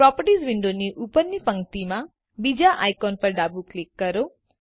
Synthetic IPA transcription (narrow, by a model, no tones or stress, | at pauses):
pɾɔpəɾʈisʋiɳɖoniʔupəɾnipəŋɡt̪ima | bid͡ʒaʔajkɔnpəɾɖabuklikːəɾo